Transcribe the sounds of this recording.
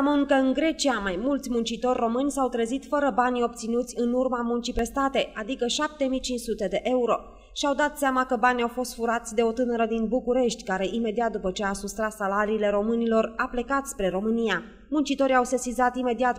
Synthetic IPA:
amɨŋkəɨnɡɾe̞t͡ʃiamajmult̪sʲmunt͡ʃit̪o̞rʲːo̞mɨnʲsawt̪ɾəzit̪fəɾəbanʲo̞p̚t̪sinut̪sʲɨnurmamunt͡ʃipɾe̞st̪at̪e̞ad̪ikəʃap̚t̪e̞mijt͡ʃint͡ʃsut̪e̞d̪e̞ʔe̞uɾo̞ | ʃiawd̪at̪seamakəbanʲjawfo̞st̪fuɾat̪sʲd̪e̞o̞t̪ɨnəɾəd̪inbukuɾe̞ʃt̪ʲkaɾe̞ʔime̞d̪iat̪̚d̪upət͡ʃe̞asust̪ɾat̪salaɾiːle̞ɾo̞mɨnilo̞raple̞kat̪spɾe̞ɾo̞mɨnija | munt͡ʃit̪o̞ɾiawsesizat̪ime̞d̪iat̪

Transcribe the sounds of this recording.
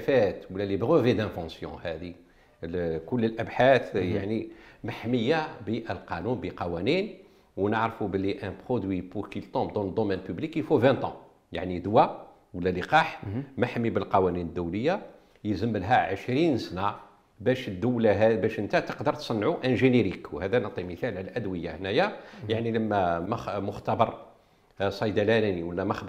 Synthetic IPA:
fæt̪wəlːælibʁəvid̪æ̃vɑ̃sjɔ̰̃hæd̪i | kʊlːəlʔəbħaθja̰ʕnimaħməjːabiʔəlqɑnunbiqɑwænin | wnəʕɾfubəlːiʔæ̃pχod̪wipuʁkilt̪ɔ̃bd̪ɑ̃ləd̪omɛnpyblikifuvæ̃t̪ɑ̰̃ | ja̰ʕnid̪wæ | wəlːæliqɑħmæħəmːibəlqɑwæninəd̪ːuwləjːa | jəzəmːəlɦæʕəʃɾinsnæ | bæʃəd̪ːəwlæɦbæʃʔənt̪æt̪ə̥qd̪əɾˤt̪sˤɑnːʕuʔæ̃ʒəniɾikwhæd̪ænət̪ˤːiməθælʕlæʔæd̪wəjːahnæjajaʕniləmːæmmʊxt̪ɑbɑɾˤ | sˤɑjd̪ælælæniwəlːæmæx

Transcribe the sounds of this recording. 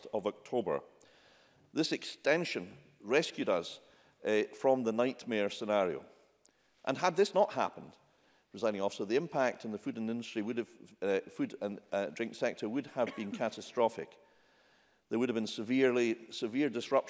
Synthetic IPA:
tʌvək̚tʰobə̰˞ | ðɪsɨkstɛ̃nʃə̃n | ɹɛskjʉɾʌz̥ | fɹə̃mðənaɪʔmeə˞sənaɹio̰ | ʔə̰̃nəd̪̚ðɪsnəʔha̰pə̃n̩d̥ | ɹɨzaɪɾɪ̃ŋɔfsoðiɪ̃mpʰak̚tʰə̃n̩ðəfʉdə̃nɪ̃ndəstɹ̥iwɨdəv̥fʉdə̃ndɹɪ̃ŋksɛk̚tʰə˞wʉdəvbĩnkʰaʔəstɹ̥ɔfɪ̰k | ðə˞wʉɾəvbĩnsəvilˠisɨviɹdɨsɹʌp

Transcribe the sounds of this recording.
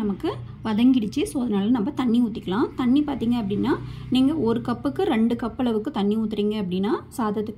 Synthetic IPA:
ɐmɐkːɯ | ʋɐðɐŋɡɪɽɪt͡ʃːɯsoːðɐnaːlɐnɐmbɐt̪ɐɳːiuːt̪ːɪkːɐlãːt̪ɐɳːipaːɾt̪iːŋɡɐɐpːɐɽɪnːaːniːŋɡɐɔɾɯkɐpːɯkːɯɾɛɳɖɯkɐpːɐɭɐʋɯkːɯt̪ɐɳːiuːt̪ːɪɾiːŋɡɐɐpːɐɽɪnːaːsaːðɐt̪ːɯkː

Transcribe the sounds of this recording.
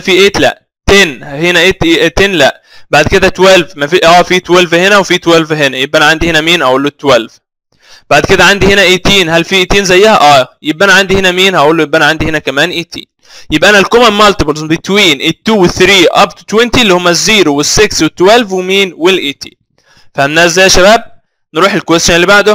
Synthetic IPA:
fiːʔeːt̪læ̰ʔ | t̪eːnhenæʔet̪ːt̪eːnlæʔ | baʕd̪ked̪æt̪wælvmæfiʔæːfiːt̪wælvhenæwefiːt̪wælvɦenæjebʔænæʕand̪ihenæmiːnhæʔuːlːot̪ːwælv | b̥aʕd̪ked̪æʕand̪ihenæʔeːt̪iːnɦælfiːʔeːt̪iːnzæjːæhæʔæːjebʔænæʕand̪ihenæmiːnhæʔuːlːojebʔænæʕand̪ihenækæmæːnʔiːt̪ʰḭːn | jebʔænælkomænmɑlt̪ɪbolzbit̪ːwiːnʔɪt̪ːuːweθɾiːʔɑ̰bt̪u̥t̪went̪ilːihomːæzːiːɾuwesːekswet̪ːwælvwemiːnwelʔiːt̪ʰi̥̰ː | fææmːæːzːæjːæʃæbæːb̚ | nɾuːħelkwest̪onlːibaʕd̪o

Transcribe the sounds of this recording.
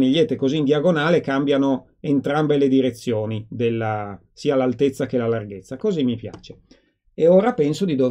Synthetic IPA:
niʎːet̪ːekoziːnd̪jaɡonaːlekambjano | ent̪ɾambeled̪iɾet̪sːjoːnid̪elːa | siːalalt̪et̪sːakelalarɡet̪sːakozimːipja̰ːt͡ʃe | eoːɾapɛnsod̪id̪ov

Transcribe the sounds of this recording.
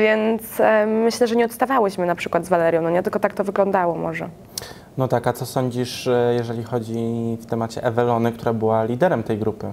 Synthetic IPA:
vʲjɛnt̪smɘɕlɛʐɛɲɛɔt̪st̪avawɘɕmɘnapʂɘkwad̪zvalɛɾʲjɔ̃w̃nɔɲɛt̪ɘlkɔt̪ak̚t̪ɔvɘɡlɔnd̪awɔmɔʐɛ | nɔt̪akat̪sɔsɔɲd͡ʑiʂjɛʐɛlʲixɔd͡ʑift̪ɛmat͡ɕɛ̰ʔɛvɛlɔnɘk̚t̪uɾabɘwalʲid̪ɛɾɛmt̪ɛjɡɾupɘ

